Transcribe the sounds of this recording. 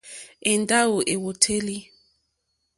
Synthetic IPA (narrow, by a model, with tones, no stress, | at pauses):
e˨nda˦wo˨ʔe˨wo˨tʰe˦li˦